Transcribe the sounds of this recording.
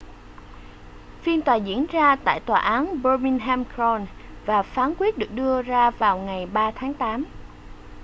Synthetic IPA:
fi˧ənt̪waː˨˩zḭ˧˥ənzaː˧t̪a̰ː˧˨jt̪waː˨˩ʔaː˨˦nɓɔ˧mi˧nɦɛ˧mkɹɔ˧nvaː˨˩faː˨˦nkwi˦˥ət̚ɗɨ˨˩ək̚ɗɨ˧əzaː˧vaː˨˩wŋa˨˩jɓaː˧t̪ʰaː˨˦ŋt̪aː˨˦m

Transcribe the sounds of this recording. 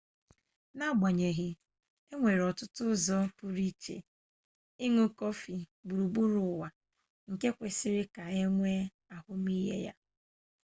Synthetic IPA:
na˦˨ɡ͡ba˨ɲe˨ɣɪ˨ | e˦ŋʷe˨ɾɔ˨tʊ˦tʊ˦zɔ˦pu˦ɾi˦t͡ʃḛ˨ | i˦ŋu˦kɔ˦fi˨ɡ͡bu˨ɾu˨ɡ͡bu˦ɾʊ˨wa˨ | ŋ̩˨ke˦kʷe˨sɪ˦ɾɪ˦ka˨e˦ŋʷe˦ | a˨hʊ˦m˦i˦ɦḛ˦ja̰˦

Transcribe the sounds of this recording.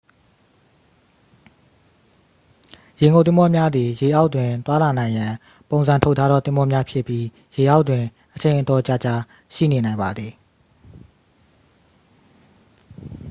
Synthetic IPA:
je˨ŋɡo˨t̪θɪ̃˦mɔ˦mja˦d̪i˨je˨ʔa˦ʊʔtwɪ̃˨t̪wa˦la˨nã˨ɪ̃jã˨ | põ˨ʊ̃nzã˨ntʰo˦ʊʔtʰa˦ɾɔ˦˨t̪ɪ̃˦mɔ˦mja˦pʰjɪ˦pːji˦ | je˨ʔa˦ʊʔtːwɪ̃˨ | ʔət͡ɕʰẽ˨ɪ̃ʔətɔ˨t͡ɕa˦˨t͡ɕa˦ | ʃḭ˦˨ne˨nã˨ɪ̃mba˨d̪ði˨

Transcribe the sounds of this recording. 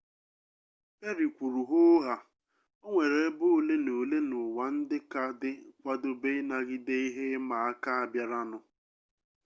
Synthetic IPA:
pe˦ɾi˨kʷu˨ɾu˨ɦʊ˦ɦa˨ | o˦ŋʷe˨ɾe˨˦bʊ˦˨le˦no˨le˦nʊ˨wa˨n̩˦dɪ˦ka˨dɪ˦kʷa˦dʊ˦be˦ɪ˦na˦ɡɪ˦de˦i˦ɦe˦ma˨a˦ka˦a˨bja˨ɾa˦nʊ˨

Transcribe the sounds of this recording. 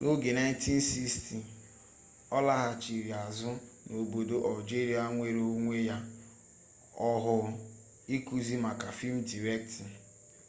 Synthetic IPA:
nʔo˦ɡe˨na˦ɪ̃˦n˦ti˦n̩˦si˦ksti˨ | ɔ˦la˦ɦa˨t͡ʃi˨ɾi˨a˨zʊ˦ | no˨bo˨do˨ʔa˨ld͡ʒe˦ɾi˦a˦ŋʷe˦˨ɾo˦ŋʷe˦ja˦ | ɔ˦ɦʊ˨ | i˦ku˨zi˦ma˨ka˨fi˦m̩˦di˨ɾe˦k̚tɪ˨

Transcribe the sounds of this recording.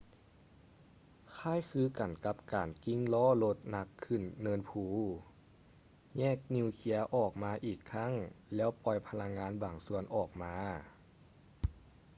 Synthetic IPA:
kʰaː˧˥˨jkʰɯː˧ka˨˩nka˧˥pkaː˨˩nki˧˥˨ŋlɔː˧˥˩lo˧˥t̪̚na˧˥kʰːɯ˧˩nːɤː˧˥npʰuː˧˩ | ɲɛː˧˥˩k̚ni˧kʰi˧˥ɐʔɔː˨˩k̚maː˧˥ʔiː˨˩kʰːa˧˥˨ŋlɛː˦˥˩wpɔ˧˩jpʰa˧la˧˥ŋːaː˧˥nbaː˨˩ŋsu˧˨ənʔɔː˨˩k̚maː˧

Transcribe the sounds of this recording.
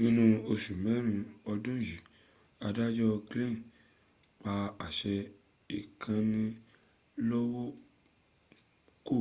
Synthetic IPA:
nĩ˧nũ˧o˧ʃu˨mɛ̃˨˦ɾ̃ĩ˧ɔ˧dũ˦ji˨ | a˧da˦d͡ʒɔ˦˧kle˦˨ | k͡pa˧a˨ʃɛ˧ | i˨kʰã˧nĩ˧ | lɔ˦wo˦ | ko˦˨

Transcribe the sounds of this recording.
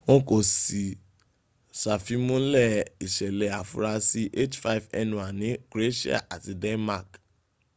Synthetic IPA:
õ˦ko˨si˨ | sa˨fi˨˦mõ˦lɛ˦˨i˨ʃɛ˨lɛ˨a˨fṵ˧˦ɾa˧si˦ʔe˦˨t͡ʃfa˦i˨vɛ˧nũ˨a˨nĩ˨˦ɡ̥ɾe˦ʃi˦a̰˦˨ʔa˨ti˧dɛ˦nma˦˨k

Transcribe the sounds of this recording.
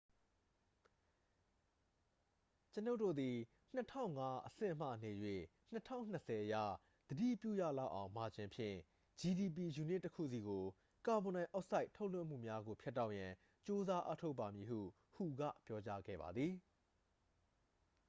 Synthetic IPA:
t͡ɕəno˦ʔtːo̰˦˨d̪i˨ | n̥ətʰã̰˦˨ʊ̃ŋa˦ʔəsɪ̰̃˦˨m̥ä̰˦˨ne˨jwḛ˦˨ | n̥ətʰã̰˦˨ʊ̃n̥ːə˨sɛ˨ʔəja̰˦˨ | d̪̥ədḭ˦˨pjṵ˦˨jä̰˦˨la˦˨ʔã˨ʊ̃ma˨d͡ʑɪ̃˦mpʰjɪ̰̃˦˨ | d͡ʑi˨di˨p̬i˨ju˨nɪ˦˨tːəkʰṵ˦˨si˨ɡo˨ | ka˨bõ˨nã˨ʔa˦ʔsa˦ɪtʰo˦ʊʔlɪ̰̃˦˨m̥ṵ˦˨mja˦ɡo˨pʰjɛ˦tːa˦ʊʔjã˨ | t͡ɕo˦za˦ʔa̰˦tʰo˦ʊpːa˨mji˨ɦṵ˦˨ | hu˨ɡä̰˦˨pjɔ˦t͡ɕa˦ɡɛ̰˦˨ba̰˨d̪ði˨

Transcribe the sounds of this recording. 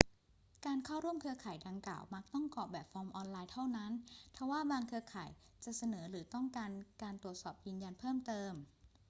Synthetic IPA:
kaː˧nkʰa˥˩wɾu˥˩əmkʰɯ˧ɐkʰaː˩˦jda˧ŋkla̰ː˨˩wma˦˥k̚t̪ɔ˥˩ŋkɔː˨˩p̚bɛː˨˩p̚fɔː˧mʔɔː˧nlaː˧jt̪ʰa˥˩wna˦˥npʰɛ˧˦waː˥˩baː˧ŋkʰɯ˧kʰaː˩˦j | t͡ɕa˨˩sa˧nɤː˩˦ɾɯː˩˦t̪ɔ˥˩ŋkaː˧nkaː˧nt̪ɾu˨˩ət̪̚sɔː˨˩p̚jɯː˧nja˧npʰɤː˥˩mt̪ɤː˧m

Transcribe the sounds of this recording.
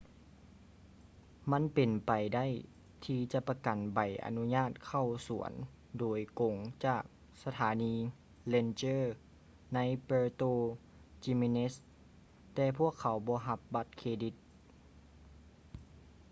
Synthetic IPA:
ma˧˥˨npe˨˩npa˨˩jda˥˨j | t̪ʰiː˧t͡ɕa˧˦pa˧ka˨˩nba˨˩jʔa̰˨nu˧˥ɲaː˥˩t̪̚kʰa˧˩wsu˨˩˦ən | doː˨˩jko˨˩˦ŋt͡ɕaː˧˩k̚ | sa˧t̪ʰaː˨˦niː˧ | le˧nt͡ɕɤː˥˨ | na˧˥jpɤː˧t̪oː˧ | t͡ɕi˧me˧ne˦˥s | t̪ɛː˧pʰu˥˩əkʰːa˨˦wbɔː˧˦ɦa˧˦p̚ba˧˥t̪̚kʰeː˧di˧˦t̪̚

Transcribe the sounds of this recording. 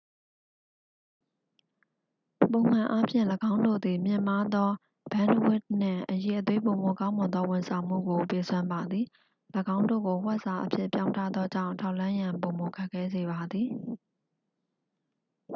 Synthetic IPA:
põ˨ʊ̃m̥ã˨ʔa˦pʰjɪ̰̃˦˨ləɡã˦ʊ̃ndo̰˦˨d̪i˨mjɪ̰̃˨ma˦d̪ɔ˦ | b̥ã˦ndwɪ˦˨t̚n̥ɪ̰̃˦˨ʔəje˨ʔət̪̬we˦põ˨mo˨kã˦ʊ̃mʊ̃˨nd̪ðɔ˦wɪ̃˨nsʰã˨m̥ṵ˦˨ɡo˨pe˨sʰwã˦mba˨d̪ði˨ | ləɡã˦ʊ̃ndo̰˦˨ɡo˨wɛ˦ʔsa˨ʔəpʰjɪ̰˦ʔpjã̰˦ʊ̃ntʰä̰˦˨d̪ðɔ˦d͡ʑã̰˦˨ʊ̃ntʰa˦ʊʔlã˦jã˨mpõ˨mo˨kʰa˦˨kʰːɛ˦˨ze˨ba˨d̪ði˨

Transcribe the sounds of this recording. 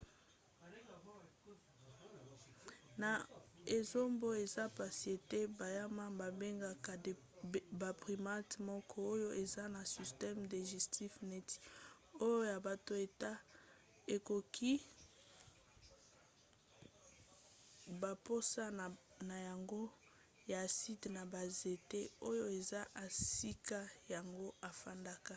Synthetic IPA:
na˨e˨zo˦mbo˦e˨za˦pa˨sje˨te˦ba˨ja˦ma˦ba˨be˦ŋɡa˨ka˨ | ba˨pʁi˨ma˦tmɔ˦kʰɔ˦o˦jo˦ʔe˨za˦na˨si˨stɛ˦mde˨ʒi˨stʰi˦fne˦ti̥˨ | o˦jo˦ja˨ba˨to˨e˨ta˦ | e˨ko˨kʰi˦ | ba˨po˦sa˦ | na˨ja˨ŋɡo˦ | ja˨si˦tna˨ba˨ze˨te˦o˦jo˦e˨za˦ʔa˨si˦ka˦ja˨ŋɡo˦a˨fa˦nda˦ka˨

